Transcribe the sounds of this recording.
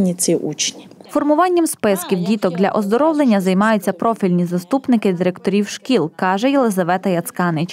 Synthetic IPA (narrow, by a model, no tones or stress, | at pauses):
nʲit͡s̪ʲiʔṵt͡ʃnʲifɔrmʊʋɑnʲːɐmspɪskʲiwdʲit̪ɔɡd̪lʲɐʔɔzd̪ɔɾɔwlˠenʲːɐzɐjmɑjʊtt͡sʲːɐpɾɔfʲilʲnʲizɐst̪upnɪkɪd̪ɪɾɛkt̪ɔɾʲiwʃkʲilˠkɑʒɛjɛlˠɪzɐʋɛt̪ɐjɐt̪skɑnɪt͡ʃ